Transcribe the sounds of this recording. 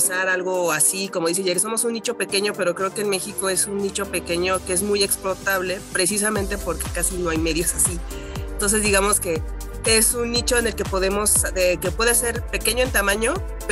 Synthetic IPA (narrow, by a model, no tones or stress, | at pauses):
saɾalɣo̞asiko̞moðiseʝeɾso̞mosunːit͡ʃo̞pe̞ke̞ɲope̞ɾokɾe̞okeːnme̞xiko̞e̞sunːit͡ʃo̞pe̞ke̞ɲo̞keezmuje̞ksplo̞t̪aβle̞pɾe̞s̬is̬amẽnt̪e̞po̞ɾke̞̥kasino̞ajme̞ðjosasient̪o̞ns̬e̞zd̪iɣamo̞ske̞ | esunːit͡ʃo̞ene̞lke̞po̞ð̞e̞mo̞seke̞pweðese̞ɾpekeɲo̞e̞nt̪amãɲo̞ | p